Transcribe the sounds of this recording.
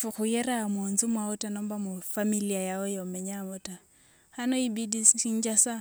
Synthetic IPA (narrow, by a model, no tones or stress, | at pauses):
fuxujeɾamunzumwaotanombamufamiliajaojomeɲamota | hanoibidiiɲd͡ʒasa